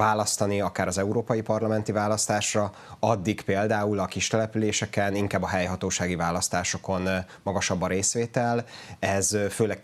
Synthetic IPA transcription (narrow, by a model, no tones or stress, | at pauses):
vaːlɒst̪ɒniɒkaːɾɒzɛuɾoːpɒjipɒrlɒmɛnt̪ivaːlɒst̪aːʃrɒ | ɒd̪ːikpeːld̪aːulɒkiʃt̪ɛlɛpyleːʃɛkɛniŋkaːbːɒɦɛjɦɒt̪oːʃaːɡivaːlɒst̪aːʃo̞ko̞n | mɒɡɒʃɒbːɒɾeːsʋeːt̪ɛlɛzføːlɛɡ